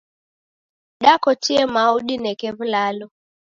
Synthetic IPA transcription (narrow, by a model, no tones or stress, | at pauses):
ɗakɔt͡ʃiɛmauɗinɛkɛβulalɔ